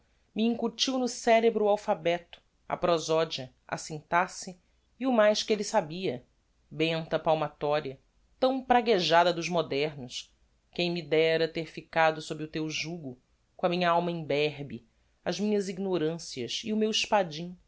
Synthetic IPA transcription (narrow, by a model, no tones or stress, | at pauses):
miĩŋkut͡ʃiwnʊsɛɾebɾʊawfabɛt̪ʊ̥ | ɐ̰pɾozɔd͡ʒiɐ | ɐ̰sĩnt̪asiː | ʊmajʃkɪelisabiɐ | bẽnt̪ɐpawmat̪ɔɾiɐ | t̪ɐ̃w̃pɾaɡeʒad̪ɐd̪ʊʒmod̪ɛɾnʊʃ | kẽj̃mid̪ɛɾɐt̪eɾfikad̪ʊsobɾɪʊt̪ewʒuɡʊ | kõɐmĩɲɐawmɐĩbɛɦbi | ɐzmĩɲɐziɡnoɾɐ̃siɐsiʊmewiʃpad͡ʒĩ